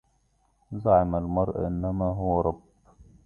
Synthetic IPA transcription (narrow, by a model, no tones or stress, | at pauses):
zaʕɪmalmɑɾˤʔɪnːamaːɦʊwaɾˤɑb